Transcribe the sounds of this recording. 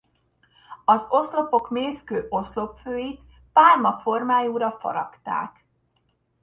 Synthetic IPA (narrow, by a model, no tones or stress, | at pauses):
ɒzo̞slo̞po̞kmeːskøːʔo̞slo̞pføːjit̪ | paːlmɒfo̞rmaːjuːɾɒfɒ̰ɾɒkt̪a̰ːk